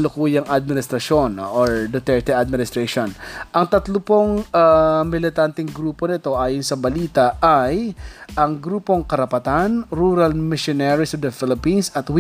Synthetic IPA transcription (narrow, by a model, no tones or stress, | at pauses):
lʊkuːjɐŋʔɐd̪̚mɪnɪst̪ɾɐʃonʔoɹd̪ɐt̪ɛɹt̪ɛʔɐd̪̚mɪnɪst̪ɾɛʃonʔɐŋt̪ɐt̪lʊpoŋamɪlɪt̪ant̪ɛŋɡɾuːpo̞nɪt̪o̞ʔaːjonsɐbɐliːt̪ɐʔajʔɐŋɡɾuːpo̞ŋkɐɾɐpɐt̪anɾuːɾɐlmɪʃonɛɹisɐvd̪ɐfɪlɪpinsɐt̪w